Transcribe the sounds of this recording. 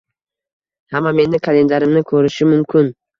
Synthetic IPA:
hamːame̞nːɪkʰale̞nd̪aɾɪmnɪkʰɵɾɪʃɪmʊmkʲʰɪn

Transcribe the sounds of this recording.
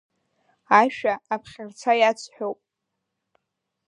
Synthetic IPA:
aʃᶣaːpʰχʲɪrt͡sʰajat͡sʰħʷᶣowpʼ

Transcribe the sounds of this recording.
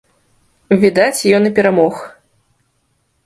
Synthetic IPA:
vʲid̪at͡sʲjɔnɐpʲɛɾamɔx

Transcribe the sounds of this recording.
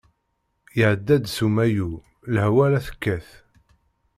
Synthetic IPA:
jəʕəd̪ːæd̪sumæju | lhwælæθə̥kːæθ

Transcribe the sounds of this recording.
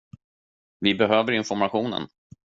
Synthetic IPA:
vɪbɛɦøːvəɾɪnfɔɾmaɧuːnə̰n

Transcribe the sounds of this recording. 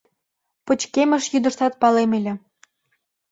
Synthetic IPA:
pət͡ɕkemə̆ʃjyd̪ə̆ʃt̪ɑt̪̚pɑlemelʲĕ

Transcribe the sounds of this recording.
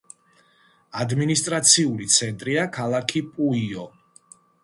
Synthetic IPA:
ad̪minist̪ʼɾat̪sʰiulit̪sʰɛnt̪ʼɾiakʰalˠakʰipʼuiɔ

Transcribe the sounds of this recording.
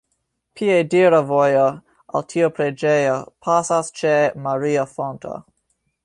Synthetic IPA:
pʰiediɾavojo | a̰ltʰiopɾed͡ʒejopʰasast͡ʃemaɾiafontʰo̰

